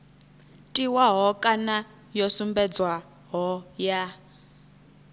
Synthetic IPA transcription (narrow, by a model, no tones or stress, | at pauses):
tʼiwaɦɔkʼana | jɔsumbɛd͡zwa | ɦɔja